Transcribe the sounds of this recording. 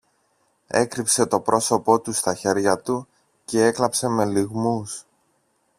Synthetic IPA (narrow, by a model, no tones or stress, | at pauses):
e̞̰kɾipse̞t̪o̞pɾʔo̞so̞po̞t̪ust̪ɐçe̞ɾʝɐt̪u | ce̞e̞klɐpse̞me̞liɣmus